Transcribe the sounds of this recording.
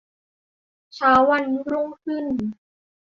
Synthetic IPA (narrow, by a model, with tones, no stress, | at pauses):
t͡ɕʰaː˨˦wːa˧nɾu˥˧˥ŋkʰɯ˥˩n